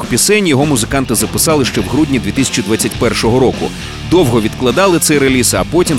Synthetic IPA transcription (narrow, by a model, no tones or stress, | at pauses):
pʲisɛnʲjɔɦɔmʊzɪkɑnt̪ɪzɐpɪsɑlˠɪʃt͡ʃɛwɦɾudʲnʲid̪ʲʋʲit̪ɪsʲɐ̥t͡ʃid̪ʋat͡sʲːɐtʲpɛrʃɔɦɔɾɔkʊ̰ | d̪ɔwɦɔʋʲid̪klˠɐd̪ɑlˠɪt̪sɛjɾelʲisɐpɔtʲim